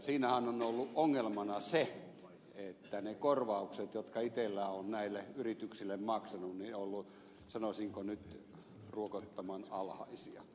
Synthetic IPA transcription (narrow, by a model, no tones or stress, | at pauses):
siːnæhænonolːuʔʔoŋːelmɑnɑse | et̪ːænekorʋɑukset̪jot̪kɑit̪elːæːonnæilːeyrit̪yksilːemmɑksɑnunniolːu | sɑnosiŋkonyt̪ | ruokot̪ːɑmɑnɑlhɑ̰isiɑ̰